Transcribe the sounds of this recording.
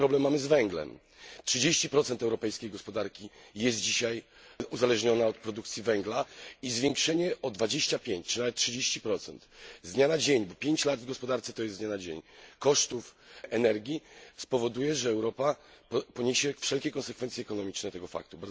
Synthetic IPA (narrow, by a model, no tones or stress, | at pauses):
pɾɔblɛmːamɘzvɛŋɡlɛ̰m | tʂɨd͡ʑeɕt͡ɕipɾɔt̪sɛnt̪ɛwɾɔpɛjskʲejɡɔspɔd̪aɾkʲijɛst̪̚d͡ʑiɕaj | uzalɛʐɲɔnaɔt̪̚pɾɔd̪ukt̪sʲjivɛŋɡlaizvʲjeŋkʂɛɲɛɔd̪vad͡ʑeɕt͡ɕapʲjeɲt͡ɕtt͡ʂɨnavɛt̪tːʂɘd͡ʑeɕt͡ɕipɾɔt̪sɛnt̪zɲanad͡ʑeɲbɔpʲjeɲt͡ɕlad̪vɡɔspɔd̪aɾt̪sɛ̥t̪ɔjɛsɲanad͡ʑḛɲkɔʂt̪ufʔɛnɛɾɡʲispɔvɔd̪ujɛʐɛːwɾɔpappɔɲeɕɛfʂɛlkʲɛkɔnsɛkfɛnt̪sʲɛkɔnɔmʲit͡ʂnɛt̪ɛɡɔfa̰k̚t̪ubaɾz